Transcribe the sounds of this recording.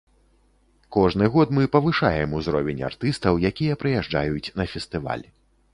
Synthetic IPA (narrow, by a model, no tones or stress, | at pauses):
kɔʐnɨɣɔt̪mɨpɐvɨʂajɛmuzɾɔvʲɛnʲa̰rt̪ɨst̪ɐwjakʲijɐpɾɨjɛʐd͡ʐa̰jut͡sʲnɐfʲɛst̪ɨva̰lʲ